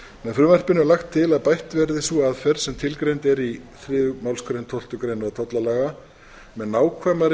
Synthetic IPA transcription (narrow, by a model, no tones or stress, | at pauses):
mɛðfɾʏːmar̥pɪnʏmlaxt̪ʰːɪlaðpajht̪vɛɾðɪsuaðfɛɾ̥sɛmt̪ʰɪlkɾejnt̪ɛɾiθɾɪːðʏmawlskɾejnt̪ʰɔl̥t̪ʏkɾejnɔt̪ʰɔt̪lalaɣa | mɛðnaːwkʰvɛmaɾ